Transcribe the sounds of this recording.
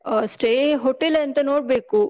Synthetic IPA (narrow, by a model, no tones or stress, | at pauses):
sʈeːɦoːʈelɐnt̪ɐnoːɽ̚beːku